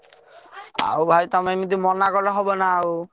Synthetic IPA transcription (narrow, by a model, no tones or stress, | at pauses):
a̰wbʱajt̪ɔmamid̪̬umɔnːakɔɾlɔɦɔbɔnaaw